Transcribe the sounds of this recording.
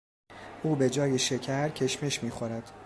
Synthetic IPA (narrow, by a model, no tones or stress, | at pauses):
ʔuːbe̞d͡ʒɒːjeʃe̞cʰæɾcʰe̞ʃme̞ʃmiːxo̞ɾæd̪̥